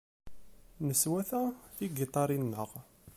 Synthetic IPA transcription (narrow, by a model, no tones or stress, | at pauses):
nəswæθæθiɡit̪ˤɑɾˤinːəʁ